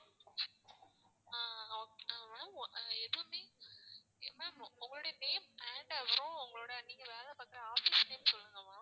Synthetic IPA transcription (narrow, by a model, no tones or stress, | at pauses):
aːokamaɛðɯɯmeː | mãmʊŋɡɐɭoːɽɐneːmɛːɳɖɐʋɐɾõʊŋɡɐɭoːɽɐniːŋɡɐʋeːlɛpaːkːɯɾɐaːfisneːmsɔlːɯŋɡɐmãː